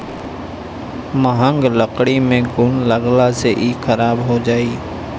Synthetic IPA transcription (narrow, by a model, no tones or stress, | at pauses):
məɦəŋɡləkɽiːmẽːɡʊɳləɡlaːseːʔiːkʰəɾaːbɦoːd͡ʒaːiː